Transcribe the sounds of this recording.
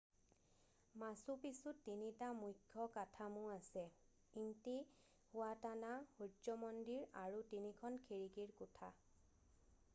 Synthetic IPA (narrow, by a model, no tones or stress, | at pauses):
masupisutːinitamujkʰːɔkatʰamʊ̃asɛ | inti | hʊatanahudɔmɔndiɹaɹutinikʰɔnkʰiɹikiɹkʊtʰa